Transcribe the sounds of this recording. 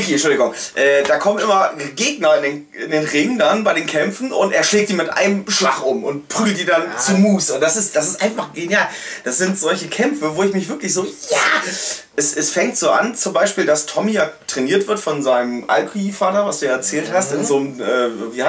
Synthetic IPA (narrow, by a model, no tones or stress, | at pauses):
kiːnʃʊldɪɡʊŋʔɛːd̥aːkʰɔmənʔɪmɐɡeːɡnɐɪndeːn | ɪ̰ndeːnʁɪŋdanbaɪɾeːnkʰɛmfn̩ʔʊ̰ntʔḛːɐʃlɛːk̚td̥iːmɪtʔa̰ɪnəmʃla̰χʔʊmʔʊ̰ntpʁ̥yːɡl̩td̥iːdant͡sumuːsʔʊnt̚d̥asɪstd̥as̬ɪstʔaɪnfaχɡ̥enjaːld̥asz̥ɪntz̥ɔlçəkʰɛmfəvoːɪçmɪçv̥ɪɐklɪçz̥oːjaːʔɛsɛsfɛŋk̚tz̥oːʔa̰nt͡sʊmbaɪʃpiːldastʰɔmijaːtʁ̥eniːɐtv̥ɪɐtfɔnzaɪnəmʔa̰lkʰuifaːtɐvasd̥uːjaːɛɐt͡sɛːlthastɪnzoːmʔɛːviːha